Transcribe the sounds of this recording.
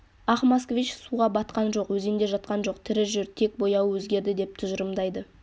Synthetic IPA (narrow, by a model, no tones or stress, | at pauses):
ɑχmɑskvit͡ʃsuʁɑbɑt̪qɑnʒo̞qwɵze̞nd̪e̞ʒɑt̪̚qɑnʒo̞qt̪ʰɪɾɪʒʏɾt̪ʰe̞k̚bo̞jɑwwɵzɡʲe̞ɾd̪ɪd̪e̞p̚t̪ʰʊʒəɾəmd̪ɑjd̪ə